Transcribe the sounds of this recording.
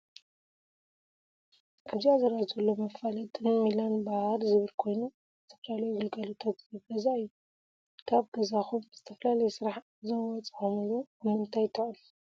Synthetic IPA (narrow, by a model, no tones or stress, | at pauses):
kʰɨziazɐɾazɨlːomɐfalɐt̪ʼnɨwilanbahaɾzɨβɨɾkʰo̞jnu | zɨt̪ʰɐ̥fɐlalɐjuɡɨlɡɐlut̪ʰat̪jɨɡɐzaɨjːu | k̪ʰaβɡɐzaxumz̥ɨt̪ʰɐfɐlalɐjsɨɾaħ | zɐwɔt͡sʼɨomɨlobɨmɨnt̪ʰajt̪ʰɐχʼɨl